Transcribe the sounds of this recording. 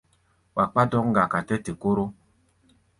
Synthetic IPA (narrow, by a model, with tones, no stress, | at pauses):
wa˨k͡pa˦dɔ˦kŋ̩˦ɡa˨ka˨tɛ˦te˨ko˦ɾo˦